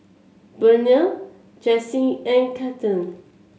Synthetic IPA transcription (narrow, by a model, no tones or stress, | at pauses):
bənə | d͡ʒɛsĩɛ̃nkʰatə̃n